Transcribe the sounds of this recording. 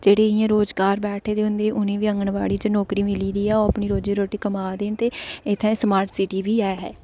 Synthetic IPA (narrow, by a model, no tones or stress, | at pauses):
d͡ʒeːɽeːɪjãːɾoːzɡaːɾbɛːʈʰeːd̪eːɦʊ̃nd̪eːʔʊnẽːʋiːə̃ŋɡəɳʋa̰ːɽiːd͡ʒnɔːkɾiːmɪliːd̪iːɛːoːəpɳiːɾoːd͡ʒiːɾoːʈiːkəmaːd̪eːnt̪eːɪt̪ʰːɛ̃səmaːɾʈsɪʈiːbiːɛːɦɛ̰ː